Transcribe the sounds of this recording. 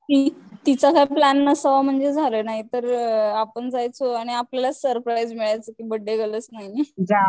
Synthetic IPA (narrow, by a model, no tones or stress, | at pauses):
t̪it̪it͡sakaiplænːəsəʋam̤əɳd͡zed͡zʱalənaɦit̪əɾapəɳd͡zajt͡soaɽ̃iaplalasəɾpɾajd͡zmiɭajt͡səːkiːbəɖːeɡʱələt͡snaɦid͡ʑa